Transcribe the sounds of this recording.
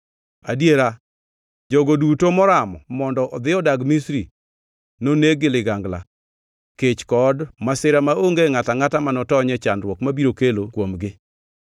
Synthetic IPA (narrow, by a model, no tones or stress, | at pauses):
a̰djeɾa | d͡ʒoɡodutomɔɾamɔ̰mɔndɔʔɔd̪ɪɔdaɡmisɾi | noneɡɪlɪɡaŋɡla̰ | ket͡ʃkɔdmasɪɾamaoŋɡeŋataŋatamanɔtɔɲɛt͡ʃanɾwɔkmabiɾokelokwomɡɪ